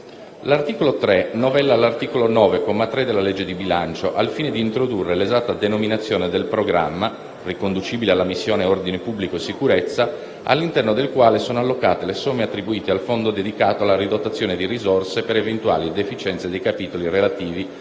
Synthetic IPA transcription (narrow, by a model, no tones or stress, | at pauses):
lart̪iːkolot̪ɾenovɛlːalːart̪iːkolonɔːvekomat̪ɾed̪ːelːaled͡ʒːed̪ibilant͡ʃoʔalfiːned̪iːnt̪ɾod̪urːelezat̪ːad̪enominat̪sːjoːned̪elpɾoɡɾa̰mːa | rikond̪ut͡ʃiːbilealːamisːjoːneord̪inepubːlikoesːikuɾet̪sːa | ʔa̰lːint̪ɛrnod̪elkwaːlesoːnoalːokaːt̪elesomːeat̪ːɾibuiːt̪ealfond̪od̪ed̪ikaːt̪oalːaɾid̪ot̪ːat̪sːjoːned̪irizorsepeɾevent̪wa̰ːlid̪efit͡ʃɛnt̪sed̪ejkapiːt̪olirelat̪iːvi